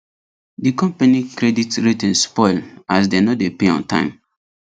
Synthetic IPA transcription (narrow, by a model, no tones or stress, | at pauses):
dikɔ̃mpanikɾeditɹitɛ̃nspɔɪlas̬denɔdepeɔ̰̃ntã̰ɪ̃m